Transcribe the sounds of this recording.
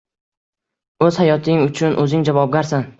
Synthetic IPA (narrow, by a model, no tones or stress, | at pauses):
ɵz̥hajɒt̪ʰɪŋʊt͡ʃʰʊnʔɵzɪŋd͡ʒavɒb̚ɡʲaɾsan